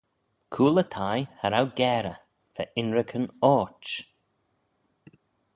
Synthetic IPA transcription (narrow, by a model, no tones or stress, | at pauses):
kʰuːlət̪ʰajhaɾawɡɛːɾə | tʰɛʔɪnɹɪkʰənɔːt͡ʃ